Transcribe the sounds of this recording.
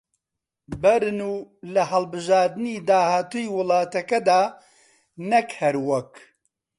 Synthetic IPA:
bɛɾɨnuːlɐɦɐlbɨʒaːɾd̪ɨniːd̪aːhaːt̪uːjiwɨlɑːt̪ɐkɐd̪aː | nɐkhɛɾwɐk

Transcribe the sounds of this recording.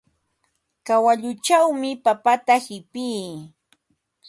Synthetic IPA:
kawaʎʊt͡ʃawmɪpapat̪ahɪpiː

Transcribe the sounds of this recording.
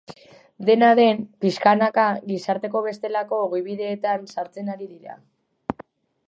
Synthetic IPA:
d̪e̞naðe̞mpiskanakaɣisaɾt̪e̞ko̞βe̞st̪e̞lako̞ːɣijβiðe̞ːt̪ansaɾt͡se̞naɾiðiɾa̰

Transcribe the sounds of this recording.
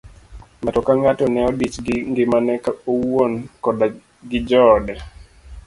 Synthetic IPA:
matɔkaŋatɔnɛɔdit͡ʃɡɪŋɡɪmanɛkaowonkɔda | ɡɪd͡ʒɔdɛ

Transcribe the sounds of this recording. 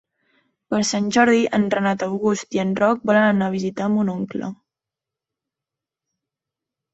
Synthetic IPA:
pəɾsanʲʒɔɾð̞iʔənrənat̪əwɣust̪iənrɔk̚bɔlənənaβ̞izit̪amunɔŋklə̰

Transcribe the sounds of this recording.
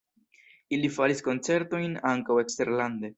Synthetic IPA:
ilifaɾisko̞nt͡se̞ɾto̞jnaŋkawe̞kste̞ɾland̪e̞

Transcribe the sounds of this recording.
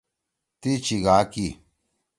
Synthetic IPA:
t̪it͡ʃiɣaki

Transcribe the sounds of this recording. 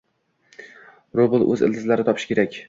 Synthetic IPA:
ɾobɨlˠʔɵzɪ̰ld̪ʰɪzlaɾɪt̪ʰɒpʰɪ̥ʃkʲʰe̞ɾakʲ

